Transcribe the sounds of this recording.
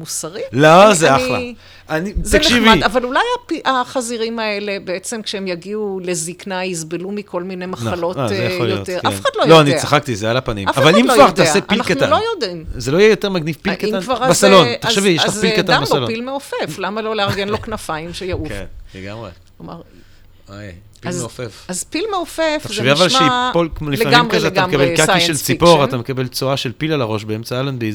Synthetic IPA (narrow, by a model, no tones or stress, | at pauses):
musaʁilozeaχla̰ | anizt̪ankeʃivid̪avalulajapiʔaχaziʁimae̞le̞beet͡semkʃeemjaɡiule̞ziknajizbelumiko̞lmine̞jmaχalo̞azejljoot̪eʁafnad̪lojloanit͡saχakt̪izealapanḭmafavalimkkvaʁdt̪aːsepːilakanua̰nlojod̪imzelo̞ijejoteʁmaɡnivpilkatanvaʁbasalo̞nt̪ḁʃevijellaχilkatanbasalonilmeofeflamaloleaʁɡenloknafajimʃejaukkefnleɡamʁe | omaʁ | aj | pialzeofefazpilmeofefazʃeviavvaalʃepolkmolifamimkazeatamakabelkakiʃelt͡sipoʁat̪amekabe̞lt͡soaʃelpilalaʁo̞ʃbeemt͡saalanbiz